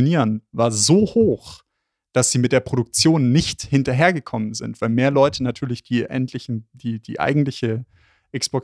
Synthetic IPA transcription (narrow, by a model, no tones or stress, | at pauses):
oniːʁənvaːɐzoːhoːx | d̥asz̥iːmɪt̚d̥eːɐpʁ̥oɾʊk̚t͡sjoːnːɪçthɪntɐɦeːɐɡəkʰɔmənzɪ̰ntv̥aɪlmeːɐlɔʏtʰənatʰyːɐlɪçd̥iːʔɛ̰ntʰlɪçn̩d̥iːd̥ḭːʔa̰ɪɡŋ̩tlɪçə | ʔɛkspɔɐ